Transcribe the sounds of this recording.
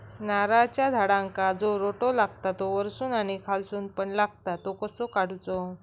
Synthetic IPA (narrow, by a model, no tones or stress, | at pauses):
naɾat͡ɕjad̪ʱaɽãŋkad͡zoɾoʈolaɡ̚t̪at̪oʋəɾsuːnanikʰalsuːnpəɳlaɡt̪at̪okəsokaɽut͡so